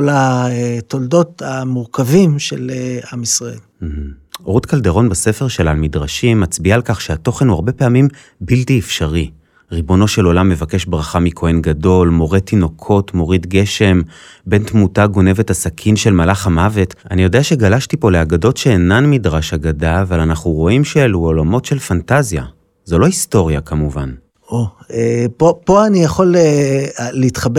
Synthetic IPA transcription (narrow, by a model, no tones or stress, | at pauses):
olaet̪oldo̞tamuʁkavimʃeleamisʁaḛl | m̩h̩oʁutkaldeʁo̞nbase̞fe̞ʁʃelalmidʁaʃimːat͡sbiaːlkaχʃeato̞χenuaʁbe̞pe̞amim | biltiefʃaʁi | ʁibo̞no̞ʃe̞lo̞lamːe̞vake̞ʃbʁaχamikʰo̞enɡado̞lmo̞ʁet̪ːino̞kʰo̞tmo̞ʁidɡe̞ʃe̞m | be̞ntmutaɡo̞ne̞ve̞tasakʰinʃe̞lmalaχamave̞tanijo̞deaʃe̞ɡalaʃtipo̞leaɡado̞tʃe̞ːnanmidʁaʃaɡadaːvalanaχuʁo̞imʃeeluolamo̞tʃe̞lfantazja̰ | zo̞lo̞isto̞ʁjakamuvan | oepopoanijaχoleː | eitχab